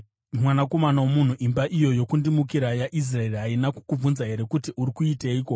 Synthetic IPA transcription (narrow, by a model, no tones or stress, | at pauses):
mwanako̞manawomun̤uʔimbaʔijo̞jo̞kundimukiɾajaʔis̬raeriɦainaku̥kub͡vunzaɦe̞ɾe̞kutiuɾikuiteiːko̞